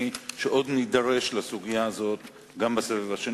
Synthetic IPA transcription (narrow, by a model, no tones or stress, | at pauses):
iʃe̞ʔo̞d̪nidaʁe̞ʃlasuɡijaːzo̞t̪ | ɡambesevevaʃe